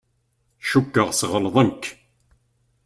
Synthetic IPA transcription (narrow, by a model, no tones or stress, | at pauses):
ʃukːəʁsʁəlðˤənk